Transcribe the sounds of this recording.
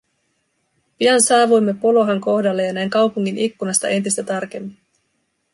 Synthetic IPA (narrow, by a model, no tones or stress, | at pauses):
piɑnsɑːʋujmːe̞polo̞ɦɑŋko̞hdɑlːejɑnæjŋkɑwpuŋːinʔikːunɑst̪ɑ̰ʔe̞nt̪ist̪æt̪ɑrk̟e̞mːin